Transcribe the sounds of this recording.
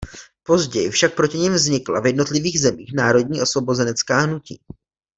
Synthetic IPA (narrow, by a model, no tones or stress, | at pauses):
po̞zɟɛjɪfʃak̚pɾo̞cɪɲɪmvzɲɪkla̰vjɛdno̞t̪lɪviːɣzɛmiːxnaːɾo̞dɲiːʔo̞svo̞bo̞zɛnɛt͡skaːɦnucḭː